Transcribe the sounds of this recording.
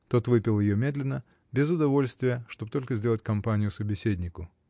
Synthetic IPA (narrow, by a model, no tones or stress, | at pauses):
t̪o̞t̪vɨpʲɪlˠjɪjo̞mʲe̞d̪lʲɪnːə | bʲɪzʊd̪ɐvo̞lʲst̪vʲɪjəʂt̪o̞b̚t̪o̞lʲkəzʲdʲe̞lˠətʲkɐmpanʲɪjʊsəbʲɪsʲedʲnʲɪkʊ